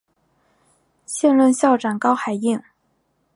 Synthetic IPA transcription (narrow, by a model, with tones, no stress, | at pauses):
ɕjɛ˥˧nlə˥˧nɕjɑ˥˩ʊʈ͡ʂa˨˩nkɑ˥ʊxa˨˩ɪi˥˩ŋ